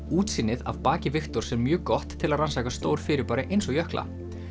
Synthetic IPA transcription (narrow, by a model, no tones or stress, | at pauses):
uːt̪siːnɪða̰v̥paːcɪvɪxt̪ɔɾ̥sɛmːjœːkɔht̪ʰːɪlaðransaːkast̪oːwɾ̥fɪːɾɪɾpaːɾɪʔejnsɔɣjœhklʔa̰